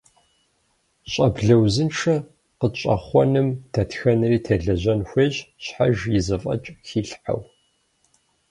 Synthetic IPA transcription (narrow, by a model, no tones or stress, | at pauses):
ɕʼɐbɮɐwzɨnʈ͡ʂʰɐ | qət͡ʃʼɐ̰χʷɔnɨmdʰɐtxɐnɨriːtʰɐɮɐʑɐnxʷeːʑɕħaʒjɪzɨfʼɐ̰t͡ʃʼxiːɬħa̰w